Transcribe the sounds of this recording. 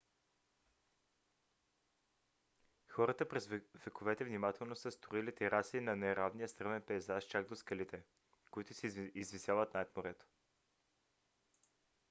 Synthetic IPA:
xɔɾət̪əpɾɛzvɛkovɛt̪ɛvnimat̪ɛlˠnosəst̪oilit̪ɛɾasinɐnɛɾavnijəst̪ɾɤvɛnpɛːzaʃt͡ʃaɡ̚d̪oskɐlit̪ɛ | koit̪ʊsizvisjavət̪naɛt̪moɾɛt̪o̥

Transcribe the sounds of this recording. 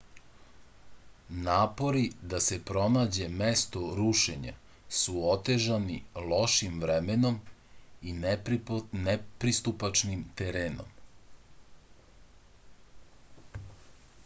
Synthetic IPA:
naːpo̞ɾid̪ase̞pɾo̞naːd͡ʑe̞mest̪oɾuʃeɲa̰ | suot̪e̞ʒanilo̞ʃimʋɾemeno̞min | nepɾist̪upat͡ʃnimt̪eɾeːno̰m

